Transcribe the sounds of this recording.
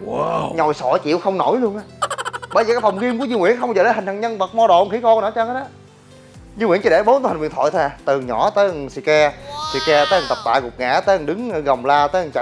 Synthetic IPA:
ɲɔ˨˩jsɔ̰˧˩t͡ɕḭ˧˨əwxə˧wŋ͡mno˧˩jlu˧ənʔa˧˦ɓəː˧jzəː˨˩kaː˦˥kfə˨˩wŋ͡mɣi˧mku˧˩əɲɨ˧ŋwi˧˥ənxə˧wŋ͡mzəː˨˩ɗə˨˦hï˨˩ŋ̟haː˨˩ŋɲə˧nɓə˨˩t̚mɔ˧ɗo̰˧˨ŋ͡mxi˧˦kɔ˧nə̰˧˦t͡ɕə˧hə˨˦˥a˨˦ | ɲɨ˧ŋwi˧˥ŋt͡ɕə˧˩ɗe˧˦ɓo˨˦˥nt̪ːha˨˩wi˧˨˩nt̪ʰɔ̰˧˨t̪ʰɛː˨˧˩t̪ɨ˨˩ɲɔ˧˩t̪əː˨˦˨si˧˩kɛ˧si˧˩kɛ˧t̪əː˨˦jə˨˩ŋt̪ə˨˩p̚t̪a̰ː˧˨jkʊ˨˩k͡p̚ŋa̰ː˧˩˥t̪əː˨˦hə˨˩ŋɗɨ˨˦ŋ˧˨ɣə˨˩wŋ͡mlaː˧t̪əː˨˦hə˨˩ŋt͡ɕa̰˧˨

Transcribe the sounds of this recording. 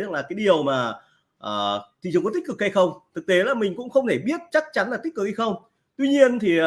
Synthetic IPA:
laː˨˩kaː˨˦jɗi˨˩əwmaː˨˩ | ʔəː˨˩t̪ʰi˨˧˨ŋkɔ˨˦t̪ï̟˦˥kɨ˨˩kha˧jxə˧wŋ͡mt̪ʰɨ˨˩k̚t̪e˨˦laː˨˩mï˨˩ŋ̟kʊ̰˧˥ŋ͡mxə˧wŋ͡mt̪ʰe˧˩ɓi˦˥ət̚t͡ɕa˦˥k̚t͡ɕa˨˦nla̟˨˩˦kɨ˨˩k̚ha˧jxə˧wŋ͡m | t̪wi˧ɲi˧ənt̪ʰi˨˩

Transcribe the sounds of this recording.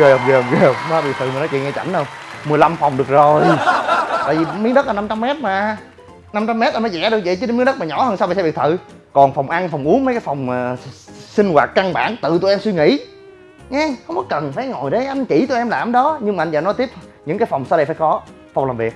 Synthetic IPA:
e˨˩˨və˨ve˨˩˨maː˧˩ɓḭ˨kt̪ʰɨ̰˨˧˨maː˨˩nɔ˨˦t͡ɕw̰ŋɛ˧t͡ɕa̰˧˩nɗə˧wŋ͡mmɨ˨˩əjla˧mfa˨˩wŋ͡mɗɨ˨˩ək̚zo˨˩j | t̪a̰ː˧˨jvi˨˩mi˨˦ənɗə˦˥t̚ʔa˨na˧mt͡ɕa˧mːɛ˦˥t̚maː˨˩ | na˧mt͡ɕa˧mːɛ˦˥t̚ʔa˧nmː˨˦jzɛ̰˧˥ɗɨ˨˩ək̚zə˨t͡ɕːɗe˧˦mi˨˦ɗə˦˥t̚maː˨˩ɲɔ˧˦həː˧nsa˧wɓa̰ː˨sɛ˧ɓə˩t̪ʰɨ̰˧˨ | kɔ˨˩nfa˨˩wŋ͡mʔa˧nfɔ˨˩wŋ͡mʔu˨˦ənmə˨˦jkaː˨˦jfa˨˩wŋ͡mːsi˧ŋ̟ɣwaː˨˩t̚ka˧nɓa̰ː˧˩nt̪ɨ̰˧˨t̪u˧˨jʔɛ˧mswi˧ŋḭ˧˥ | ɲɛ˧xə˧wŋ͡mkɔ˨˦kə˨˩nfaː˧˩jŋo˨˩jɗə˨˦ʔa˧nt͡ɕḭ˧˩t̪u˧jʔɛ˧mlaː˨˦mɗɔ˨˦ɲɨ˧ŋmaː˨˧nzəː˨˩nɔ˨˦t̪i˦˥əp̚ɲɨ̰˧˥ŋkaː˨˦jfa˨˩wŋ͡msa˧wɗə˧jfaː˧˦jkɔ˨˦ | fa˨˩wŋ͡mlaː˨˩vi˨˩ət̚

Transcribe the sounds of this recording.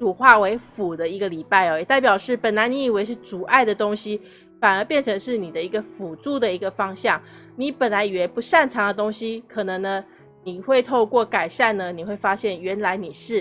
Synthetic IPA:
ʈ͡ʂu˨˩xwa˥˩we˧˥ɪfu˨˩d̪ə˦i˧˥ɡə˧li˨˩pa˥˩ɪɔ˨˩jɛ˨˩t̪a˥˩ɪpjɑ˨˩ʊʂɻ̩˥˩pə˨˩nla˧˥ɪni˧˥i˨˩we˧˥ɪʂɻ̩˥˩t͡su˨˩ʔa˥˩ɪd̪ə˩t̪o˥ŋɕi˥ | fa˨˩nə˞˧˥pjɛ˥˩nʈ͡ʂʰɤ˧˥ŋʂɻ̩˥˩ni˨˩d̪ə˦i˧˥ɡə˧fu˨˩ʈ͡ʂu˥˩d̪ə˩i˧˥ɡə˧fɑ˥ŋɕjɑ˥˩ŋ | ni˧˥pə˨˩nla˧˥ɪi˨˩wɛ˧˥pu˧˥ʂa˥˩nʈ͡ʂʰɑ˧˥ŋd̪ə˨t̪o˥ŋɕi˧˥kʰɤ˨˩nɤ˧˥ŋnə˧ | ni˨˩xwe˥˧ɪt̪ʰo˥˧ʊkwɔ˥˩ka˨˩ɪʂa˥˩nnə˨ni˨˩xwe˥˩ɪfa˥ɕjɛ˥˩nɥɛ˧˥nla˧˥ɪni˨˩ʂɻ̩˥˩

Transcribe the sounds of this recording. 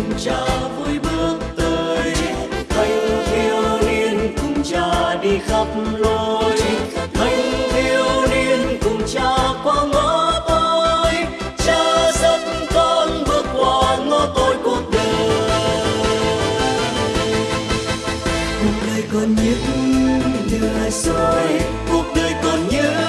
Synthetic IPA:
kʊ˨˩ŋ͡mt͡ɕaː˧vu˧˥jɓɨ˧˩ək̚t̪əː˨˩jt̪ə˧jŋvi˧əwli˧ənkʊ˨˩ŋ͡mt͡ɕaː˧ɗi˧xa˦˥p̚lo˧jmə˨˧˦jvi˧əwli˧ənkʊ˨˩ŋ͡mt͡ɕaː˧kwaː˧ŋə˧˨˥t̪o˧j | t͡ɕaː˧sə˧˦t̚ | k̪ɔ˧nvɨ˧ək̚kwaː˨˩ŋo˧˦t̪o˧jku˨˧˩ək̚ɗə˧˨˩ | kʊ˨˩k̚ɗə˧˩jkɔ˨˩nɲɨ˧˦˥ɲ˧ɗɨ˧səː˨˩j | ko˨˩k̚ɗə˨˧˩jkɔ˨˩nɲɨ˧˦

